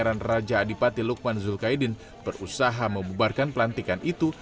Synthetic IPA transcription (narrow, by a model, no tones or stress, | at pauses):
ɾanrad͡ʒaːdipat̪iluk̚manzulkaidɪn | bərusaɦaməmbubarkanpəlant̪ikanit̪u